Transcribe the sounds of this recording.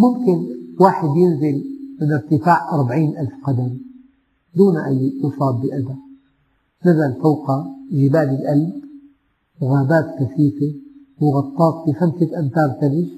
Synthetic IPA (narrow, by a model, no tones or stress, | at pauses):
mʊmkɪnwaːħɪd̪jɪnzɪlmɪnɪɾt̪ɪfaːʕʔɑɾˤbaʕiːnʔalfqɑd̪am | d̪uːnʔajːʔusˤɑːb̪̚bɪʔad̪a | nazalfawqaʒɪbaːlɪlʔalb | wɣaːbaːt̪kaθiːfe | wɪɣɑt̪ˤːɑːt̪ˤfixamsɪt̪ʔant̪ɑːɾˤt̪alɪʒ